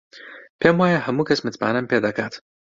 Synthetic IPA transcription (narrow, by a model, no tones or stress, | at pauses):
pʲemwaːjɐɦɐmukɐsmɨt͡spa̰ːnɐmpʲeːd̪akaːt̪